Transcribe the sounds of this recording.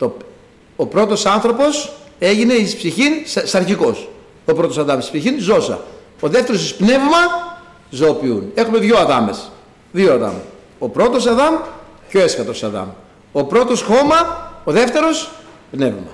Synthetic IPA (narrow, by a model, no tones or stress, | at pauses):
t̪o | opɾo̞t̪o̞sɐnθɾo̞po̞se̞ʝine̞ispsiçinssɐɾçiko̞s | opɾo̞t̪o̞sɐðɐmesi̥spsiçinzo̞sɐ̰ | oðe̞ft̪e̞ɾosispne̞vmɐ | zopiune̞xume̞ðʝo̞ɐðɐmes | ðioɐðɐ̰m | opɾo̞t̪o̞sɐðɐmco̞e̞skɐt̪o̞sɐðɐ̰m | opɾo̞t̪o̞sxo̞mɐoðe̞ft̪e̞ɾo̞s | pne̞vmɐ̰